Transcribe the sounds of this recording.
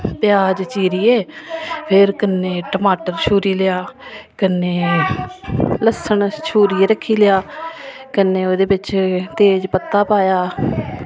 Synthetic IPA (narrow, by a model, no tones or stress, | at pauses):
pɪjaːd͡ʒt͡ʃiːɾiːeːpʰɪɾkənːeːʈəmaːʈəɾʃuːɾiːlɪjaːkənːeː | ləsəɳʃʰuːɾiːeɾəkʰːiːlɪjaːkənːeːoːd̪eːbɪt͡ʃt̪eːd͡ʒpət̪ːaːpaːjaː